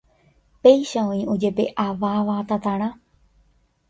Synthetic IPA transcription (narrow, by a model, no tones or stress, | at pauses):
pejʃaõĩud͡ʒebeʔaʋaʋat̪at̪aɽ̃ã